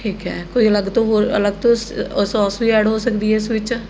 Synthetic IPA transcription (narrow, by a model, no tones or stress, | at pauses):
ʈʰiːkɦɛ̰ːkoːiːələɡt̪õːɦoːə̰ləɡt̪õːssɔːsʋiːɛːɽɦoːsəkd̪iːɦɛːɪsʋɪt͡ʃ